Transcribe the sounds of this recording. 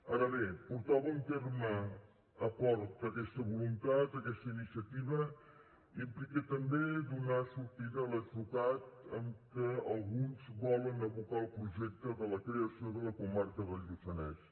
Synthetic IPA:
aɾəβepuɾt̪aβəmt̪eɾməː | pɔɾt̪əkɛst̪əβulunt̪at̪əkɛst̪əinisiət̪iβə | impliket̪əmbed̪unasuɾt̪iðələt̪βut̪at̪əmkəəlˠɣunzbɔlənəβukalˠpɾuʒɛk̚t̪əðələkɾeəsijoðələkumaɾkəðəlˠʎut͡ʃənɛs

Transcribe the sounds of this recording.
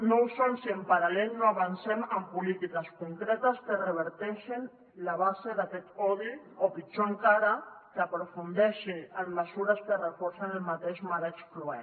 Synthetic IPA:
nowsonsiempaɾalelnoaβansɛməmpulit̪ikəskuŋkɾɛt̪əskərəβ̞əɾt̪ɛʃin | laβ̞azeðakɛt̪ɔβi | opit͡ʃoeŋkaɾakapɾufund̪ɛʃiəmməsuɾəskərəfoɾsanəlmat̪eʃmaɾet͡ʃkluɛ

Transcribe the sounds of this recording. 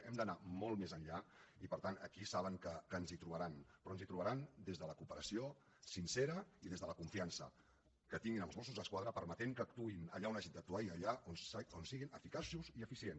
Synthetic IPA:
ɛmd̪ənamɔlˠt̪mezənʎaipəɾt̪anəkisaβəŋkəkənzit̪ɾuβəɾanpɾɔənzit̪ɾuβəɾand̪ezðələkupəɾəsio | sinsɛɾəiðezðələkuɱfiansə̰ | kət̪iŋɡinəlˠzβɔsuzðəskwað̞ɾəpəɾmət̪eŋkəːk̚t̪uinə̰ʎaunəʒin̚d̪ək̚t̪uaiəʎaononsiɣinəfikasuziəfisien

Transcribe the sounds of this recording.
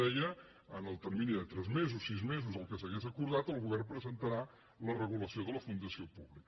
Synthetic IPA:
ɛjə | ənəlˠt̪ərminiðət̪ɾɛzmezusːizmezuzəlˠkəsəɣezəkuɾðat̪əlˠɣuβɛrmpɾəzənt̪əɾa | lərəɣ̞uləsioðələfund̪əsiopuβlikə

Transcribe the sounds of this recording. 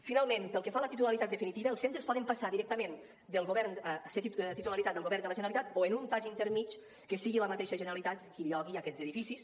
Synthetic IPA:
finalˠmẽmpəlˠkəfalət̪it̪ulalit̪at̪̚əfinit̪iβəəlˠsent̪ɾəspɔðəmpasaðiɾɛk̚t̪əmen | d̪əlˠɣoβɛɾnset̪t̪it̪ulalit̪at̪d̪əlˠɣoβɛɾnd̪ələʒənɾalit̪at̪oenunp̪aʒint̪əɾmit͡ʃ | kəsiɣiləmat̪eʃəʒənəɾalit̪at̪kiʎɔɣ̞iakɛzəðifisis

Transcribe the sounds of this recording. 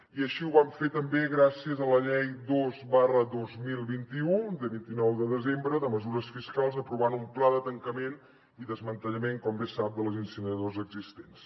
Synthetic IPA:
iəʃiuβaɱfet̪əmbeɣɾasiəzələʎɛjd̪ozβarəðozmilˠβint̪iud̪əβint̪inɔwðəðəzembɾəðəməzuɾəsfiskalˠzəpɾuβanumplaðət̪əŋkəmen | iðəzmənt̪əʎəmeŋkɔmbesap̚d̪əlˠzinsinəðozəɡzist̪ens

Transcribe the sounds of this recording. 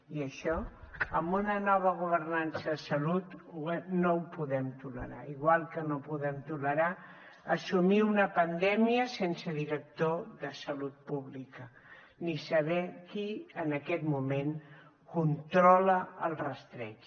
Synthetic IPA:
iəʃɔəmbunənɔβ̞əɣ̞uβ̞ərnansəðəsəlut̪uɛnowpuðɛmt̪uləɾa̰iɣwalˠkənopuðɛmt̪uləɾa | əsumiunəpənd̪ɛmiəsensəðiɾək̚t̪oðəsəlut̪̚puβlikə | nisəβɛkiənəkɛt̪mumen | kunt̪ɾɔləəlˠrəst̪ɾɛt͡ʃ

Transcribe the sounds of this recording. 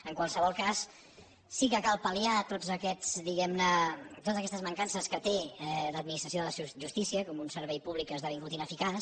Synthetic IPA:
əŋkwalˠsəβɔlˠkasː | ikəkalˠpəliat̪ozəkɛzd̪iɣɛmnət̪ot̪əzəkɛst̪əzməŋkansəskət̪eləd̪̚minist̪ɾəsioðələʒust̪isiəkɔmunsəɾβɛjpuβlikːəzðaβiŋɡut̪inəfikas

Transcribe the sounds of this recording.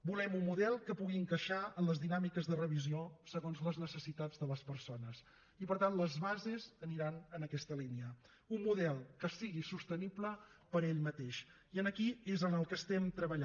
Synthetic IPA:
bulɛmumːuðɛlˠkəpuɣiəŋkəʃaənləzðinamikəzðərəβ̞iziosəɣonzləznəsəsit̪ad͡zðələspəɾsonəs | ipəɾt̪anləzβazezəniɾanənəkɛst̪əliniə | unːuðɛlˠkəsiɣisust̪ənipləpəɾeʎmət̪eʃ | iənəkiezənəlˠkəst̪ɛmt̪ɾəβəʎa

